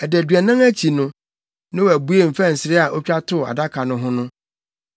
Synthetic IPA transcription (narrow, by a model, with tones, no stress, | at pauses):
ɛ˨dæ˨dɥɛ˨nã˦ŋæ˦t͡ɕʰi˨nʊ̃˦ | nɪ̃˦wæ˨bu˦e˦˨m̩˨fæ˦˨n̩˨sɪ˨ɾɪ˦a˨ʔo˦t͡ɕᶣa˦tʰʊ˦˨a̰˨da˦kʰa˨nʊ̃˦ɦʊ̃˦nʊ̃˦